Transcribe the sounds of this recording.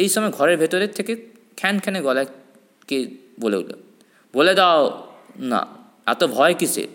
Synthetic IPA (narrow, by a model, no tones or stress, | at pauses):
ejʃɔmɔɡʱɔɾeɾbʱet̪oɾet̪ʰːeke | kʰɛnkʰɛneɡɔlɛ | ke | bolḛṵlo̰ | boled̪aona̰ | ɛ̰t̪obʱɔekisʰḛ